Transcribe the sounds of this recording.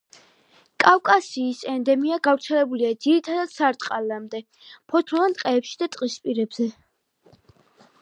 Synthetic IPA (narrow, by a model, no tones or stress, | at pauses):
kʼawkʼasiːsɛnd̪ɛmiaɡavɾt̪sʰɛlɛbuliad̪ziɾit̪ʰad̪ad̪̥saɾt̪ʼqʼalamd̪ɛ | pʰɔt̪ʰɔvant̪ʼqʼɛːpʃid̪at̪ʼqʼispʼiɾɛbz̥ɛ